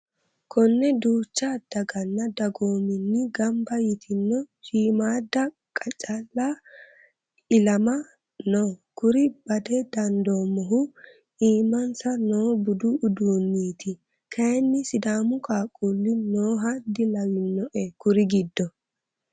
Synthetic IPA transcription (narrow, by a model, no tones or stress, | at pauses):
kʰɔnːɛd̪uːt͡ʃːad̪̥ɐɡɐnːɐd̪ɐɡoːmɪnːɪɡɐmbɐjɪt̪ʰɪnːɔʃiːmaːd̪ːɐ | kʼɐt͡ʃʼɐlːa | ɪlɐmɐ | noːkʊɾɪbɐd̪ɛd̪ɐnd̪oːmːɔɦʊ | iːmːɐnsɐnoːbʊd̪ʊʔːd̪uːnːiːt̪ɪ | kʰɐjnːɪsɪd̪aːmʊkaːkʼulːɪnoːɦɐd̪ɪlɐwɪnːɔʔɛkʊɾɪɡɪd̪ːɔ